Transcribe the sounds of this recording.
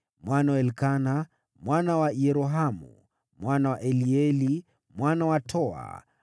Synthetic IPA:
mwanawɛlkana | mwanawajɛɾɔɦamṵ | mwanawaʔɛliɛli | mwanawatʰɔa̰

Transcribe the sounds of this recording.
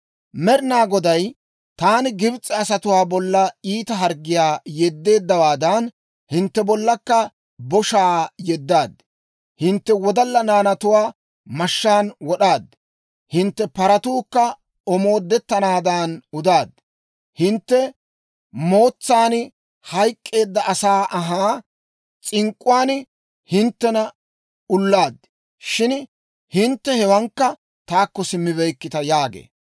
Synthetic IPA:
mɛɾɪnaːɡɔd̪ɐj | t̪aːnɪɡɪbt͡sʼːɛɐsɐt̪ʊwaːbɔlːɐiːt̪ɐɦɐɾɡːɪjaːjɛd̪ːe̞ːd̪ːɐwaːd̪ɐn | hɪnt̪ːɛbɔlːɐkːɐ | bɔʃaːjɛd̪ːaːd̪ | hɪnt̪ːɛwɔd̪ɐlːɐnaːnɐt̪ʊwaː | mɐʃːaːnwɔɗaːd̪ | hɪnt̪ːɛpɐɾɐt̪uːkːɐ | ɔmo̞ːd̪ːɛt̪ːɐnaːd̪aːnʊd̪aːd̪ | hɪnt̪ːɛ | mo̞ːt͡sːaːn | hɐjkʼːe̞ːd̪ːɐʔɐsaːʔɐɦaː | t͡sʼɪŋkʼʊwaːn | hɪnt̪ːɛnɐ | ʊlːaːd̪ | ʃɪn | hɪnt̪ːɛhɛwɐŋkːɐ | t̪aːkːɔsɪmːɪβɛjkːɪt̪ɐjaːɡḛː

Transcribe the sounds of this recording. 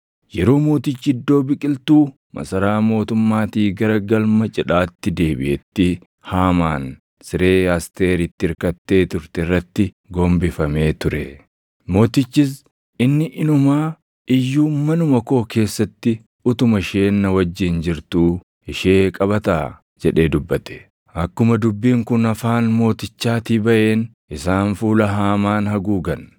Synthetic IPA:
jɛɾo̞ːmo̞ːt̪ɪt͡ʃːɪd̪ːo̞ːbɪkʼɪlt̪uː | mɐ̰sɐɾaːmo̞ːt̪ʊmːaːt̪iːɡɐɾɐɡɐlmɐt͡ʃʼɪᶑaːt̪ːɪd̪e̞ːbɪ̰ʔɛt̪ːɪ | haːmaːn | sɪɾe̞ːaːst̪e̞ːɾɪt̪ːɪɪɾkɐt̪ːe̞ːt̪ʊɾt̪ɛɪrːɐt̪ːɪ | ɡɔmbɪfɐme̞ːt̪ʊɾɛ̰ | mo̞ːt̪ɪt͡ʃːɪs̬ | ɪnːɪʔɪnʊmaː | ʔɪjːuːmɐnʊmɐko̞ːkʰe̞ːsːɐt̪ːɪ | ʊt̪ʊmɐʃe̞ːnːɐwɐd͡ʒːɪnd͡ʒɪɾt̪uː | ɪʃe̞ːkʼɐbɐt̪aː | d͡ʒɛᶑe̞ːd̪ʊbːɐt̪ɛ̥ | ʔɐkːʊmɐd̪ʊbːiːŋkʊnɐfaːnmo̞ːt̪ɪt͡ʃːaːt̪iːbɐʔe̞ːn | ʔɪsaːnfuːlɐɦaːmaːnhɐɡuːɡɐn

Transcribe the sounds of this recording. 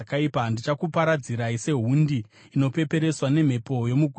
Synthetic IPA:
kaipandit͡ʃakupaɾad͡ziɾaise̞ɦundiː | no̞pe̞pe̞ɾe̞swane̞m̤e̞po̞jo̞muɡʱ

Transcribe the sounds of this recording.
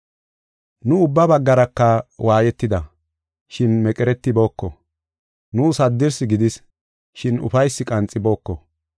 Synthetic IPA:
nʊʊbːɐbɐɡːɐɾɐkːɐwʔaːjɛt̪ːɪd̪ɐ | ʃɪnmɛkʼɛɾɛt̪ːɪbo̞ːkːɔ | nuːsɐd̪ːɪɾsɪɡɪd̪ɪs | ʃɪnʊ̰fɐjsːɪkʼɐnt͡sʼːɪbo̞ːkːɔ

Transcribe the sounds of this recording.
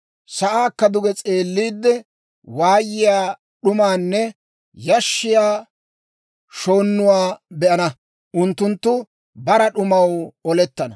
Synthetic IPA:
sɐʔaːkːɐd̪ʊɡɛt͡sʼe̞ːlːiːd̪ːɛ | waːjːɪjaː | ɗʊmaːnːɛ | jɐʃːɪjaː | ʃo̞ːnːʊwaːbɛʔɐnɐ | ʔʊnt̪ːʊnt̪ːʊ | bɐɾɐɗʊmɐwɔlɛt̪ːɐnɐ

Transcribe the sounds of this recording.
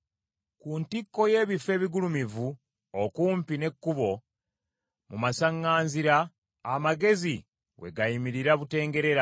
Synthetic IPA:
kuntikːo̞je̞ːβife̞ːβiɡulumivu | okuːmpinekːuβo̞ | mumasaŋːaːnziɾaː | maɡe̞zi | we̞̰ɡajimiɾiɾaβute̞ːŋɡe̞ɾe̞ɾa

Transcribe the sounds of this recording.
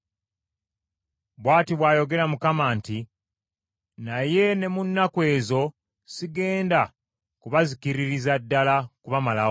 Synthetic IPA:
βwaːtiβwaːjo̞ɡe̞ɾamukamaːnti | naje̞ne̞munːakwe̞ːzo̞ | siɡe̞ːnda | kuβazikiɾiɾizadːalakuβamala

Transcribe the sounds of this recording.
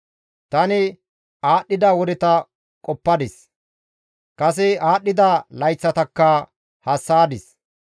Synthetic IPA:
t̪ɐnɪ | aːɗːɪd̪aːwɔd̪ɪt̪ɐ | kʼɔpːɐd̪ɪs | kʼɐsɪaːɗːɪd̪alɐjt͡sːɐt̪ɐkːɐ | hɐsːaːd̪ɪs

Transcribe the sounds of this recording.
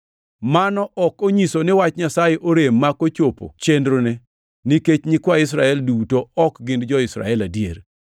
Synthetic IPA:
manɔʔɔkoɲisonɪwat͡ʃɲasajeʔoɾemːakot͡ʃopo̰t͡ʃendɾone | niket͡ʃɲikwaɪs̬ɾaɛldutoɔkɡɪndd͡ʒɔɪsɾa̰ɛladjḛr

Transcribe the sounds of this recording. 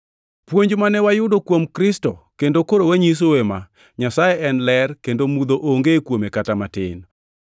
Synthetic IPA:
pwoɲd͡ʒmanɛwajʊdokwomkɾɪstokendokoɾowaɲis̬owema̰ | ɲasajeʔɛnlɛrkendomud̪oʔoŋɡekwomekatamatɪ̰n

